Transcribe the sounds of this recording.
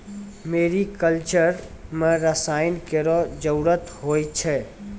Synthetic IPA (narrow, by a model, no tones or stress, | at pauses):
meːɾikəlt͡ʃəɾmɛ̃ɾəsaːɪnkeɾɔd͡ʒəuɾət̪ɦoːit͡ʃʰɛ